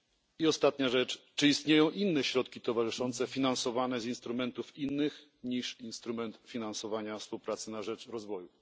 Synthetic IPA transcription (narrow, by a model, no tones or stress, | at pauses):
iɔst̪at̪ɲaʐɛt͡ʂt͡ʂɘist̪ɲejɔ̃w̃ʔinːɛɕɾɔt̪kʲit̪ɔvaʐɘʂɔnt̪sɛfʲinansɔvanɛzinst̪ɾumɛnt̪ufinːɘx | ɲiʂinst̪ɾumɛnt̪fʲinansɔvaɲafspuwpɾat̪sɘnaʐɛt͡ʂɾɔzvɔju